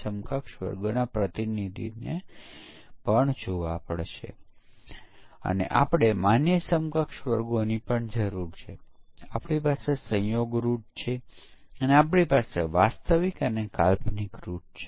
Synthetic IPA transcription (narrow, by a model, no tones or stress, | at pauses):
səmkəkʃʋə̰ɾɡonapɾət̪inid̪ʱḭne | pəɳd͡ʒoʋapəɭʃḛ | ə̰nḛʔa̰pɽ̃emanjəsəmkəkʃʋəɾɡonipəɳd͡ʒəɾuɾt͡ʃʰeapɽipasesə̃joɡɾuʈ̚t͡ʃʰeəneapɽipasḛʋast̪əʋikəneka̰lpnikɾuʈ̚t͡ʃʰe